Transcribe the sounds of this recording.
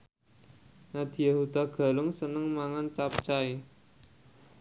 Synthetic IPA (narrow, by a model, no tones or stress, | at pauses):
nad̪̥i̤jehud̪̥a̤ɡ̥ä̤lʊŋsənəŋmaŋant͡ʃap̚t͡ʃai